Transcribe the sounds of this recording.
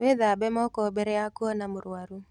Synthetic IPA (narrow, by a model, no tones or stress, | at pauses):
weðabɛmɔkɔbɛɾɛakuɔnamʊɾwaɾu